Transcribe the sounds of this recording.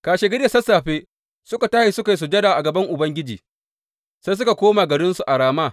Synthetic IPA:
kaː˨ʃe˨ɡɪ˦ɽje˨sɐ˦sːaː˨ɸeː˦ | sʊ˦ka˨taː˦i˨sʊ˦ka˨ji˦s̬u˨d͡ʒɐ˦daː˨ʔa˨ɡɐ˨bɐ˦ŋʔʊ˨bɐ˦ŋɡʲɪ˦d͡ʒḭː˨ | se˦s̬ʊ˦ka˨kʷoː˦maː˨ɡɐ˨ɾɪ˦nsu˨ʔa˨ɽaː˨maː˦˨

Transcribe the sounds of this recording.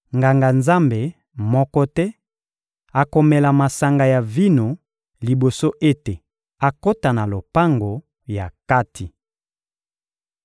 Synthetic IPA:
ŋɡa˨ŋɡa˨nza˦mbe˨ | mɔ˦kɔ˦tɛ˦ | a˨ko˨mɛ˨la˨ma˨sa˨ŋɡa˨ja˨vi˦no˨ | li˨bo˨so˦ʔe˦te˨ | a˨ko˦ta˨na˨lo˨pa˦ŋɡo˨ | ja˨ka˦tʰi˨

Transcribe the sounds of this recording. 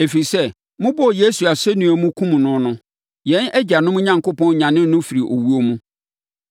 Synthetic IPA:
e˨fi˨sɛ˦ | mʊ̃˦bɔ˦˨je˦su˨a˨sɛ˦nũ˨o˨mũ˦kʰũ˦mũ˨nʊ̃˦nʊ̃˦ | jɛ̃˨˦nɛ˦d͡ʑa˨nʊ̃˦mʊ̃˦ɲã˨ŋkʊ˦pɔ̃˦n˦ɲã˨nɪ̃˦nʊ̃˦fi˨ɾi˨ʔo̰˨wu˦o˦mũ˦

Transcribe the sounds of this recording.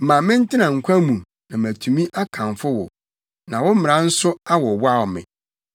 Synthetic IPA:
mã˨mɪ̃˦n̩˦tʰɪ˦nã˨ŋ̩˨kʷʰã˦mũ˨ | nã˨mæ˨tʰũ˨mĩ˦ʔa˦kʰã˨nfʊ˦wʊ̰˨ | nã˨wʊ̃˦m˦mɪ̃˨ɾã˦n̩˦sʊ˦a˦wɔ˨wa˦˨wmɪ̰̃˨

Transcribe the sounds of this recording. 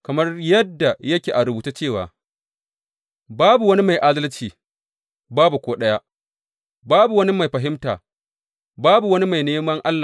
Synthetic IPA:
kɐ˨mɐ˦rjɐ˦dːa˨jɐ˦kʲeː˨ʔa˨ɾʊ˨buː˨tu˦t͡ʃeː˦˨wa̰ː˨ | baː˦bu˨wɐ˦ni˦ma˨jʔa˦dɐ˦lt͡ʃiː˨ | baː˦bu˨kʷoː˦ɗɐ˦ja˦ | baː˦bu˨wɐ˦ni˦ma˨jɸɐ˨ɦɪ˦mta̰ː˨ | baː˦bu˨wɐ˦ni˦ma˨jneː˦mɐ˦ŋʔa˦lːa˨

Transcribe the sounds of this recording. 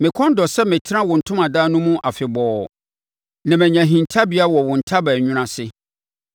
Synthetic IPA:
mɪ̃˨kʰɔ̃˦n˦dɔ˨sɛ˦mɪ̃˨tʰɪ˦ã˦wʊ̃˨n̩˨tʰʊ̃˦mã˨daː˦nʊ̃˦mũ˦ʔa˨fɪ˨bɔː˨ | nã˨mɛ̃˨ɲã˨ɦĩ˨ntʰa˦bi˨˦a˦wɔ˨wʊ̃˨n̩˨tʰa˦bæ˨ɲʊ̃˦ɾ̃ã˨sɪ˦

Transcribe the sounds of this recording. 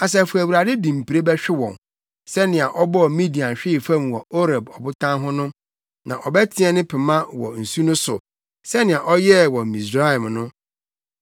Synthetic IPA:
a˨s̬ɛ˨fu˨æ˨wu˨ɾa˨dɪ˦dĩ˨m̩˨pʰi˨ɾe˦bɛ˦ɕᶣɪ˦wɔ̃˨n | sɛ˦nɪ̃˨a˨ʔɔ˦bɔ˦ɔ˨mĩ˦di˨ã˨n˨ɕᶣɪ˦˨fã˦mwɔ˨o˦ɾa˨bɔ˨bʊ˦tʰã˦nɦʊ̃˦nʊ̃˦ | nã̰˨ʔɔ˨bɛ˦tʰɪ̃˦ɛ˦nɪ̃˦pʰɪ˨mã˦wɔ̰˨n̩˨su˦nʊ̃˦sʊ̰˨ | sɛ˦nɪ̃˨a˨ʔɔ˦jɛ˦wɔ˨mmi˨sa˦ɛ˨mnʊ̃˦

